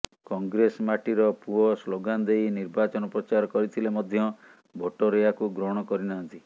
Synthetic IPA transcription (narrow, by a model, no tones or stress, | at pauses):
kɔŋɡɾesmaʈiɾɔpuɔsloɡanɔd̪ejniɾbat͡ʃɔnɔpɾɔt͡ʃaɾɔkɔɾit̪ʰilemɔd̪ʱjɔ | bʱoʈɔɾeakuɡɾoɽ̃ɔkɔɾinant̪i